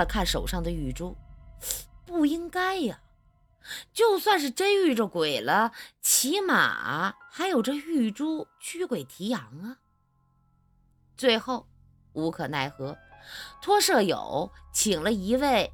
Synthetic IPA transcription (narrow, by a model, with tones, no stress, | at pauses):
kʰa˥˩nʂo˨˩ʊʂɑ˥˩ŋd̪ə˩y˥˩ʈ͡ʂu˥ | pu˥˩i˥ŋka˥ɪɐ˩ | t͡ɕjo˥˧ʊswa˥˧nʂ̬ɻ̩˥˧ʈ͡ʂə˥ny˥˩ʈ͡ʂə˨˩kwe˨˩ɪlə˦t͡ɕʰi˧˥ma̰˨˩xa˧˥ɪjo˨˩ʊʈ͡ʂɤ˥˧y˥˩ʈ͡ʂu˥t͡ɕʰy˥kwe˨˩ɪt̪ʰi˧˥jɑ˧˥ŋə˧ | t͡swe˥˧ɪxo˥˩ʊ | u˧˥kʰɤ˨˩na˥˩ɪxɤ˧˥t̪ʰwɔ˥ʂɤ˥˩jo̰˨˩˦ʊt͡ɕʰi˨˩ŋlə˦i˧˥we˥˩ɪ